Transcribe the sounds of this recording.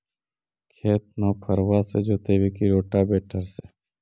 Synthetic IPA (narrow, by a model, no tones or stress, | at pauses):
kʰeːt̪̚naːpʰəɾʋaːsed͡ʒoːt̪eːʋeːkiɾoːʈaːbeːʈʰəɾseː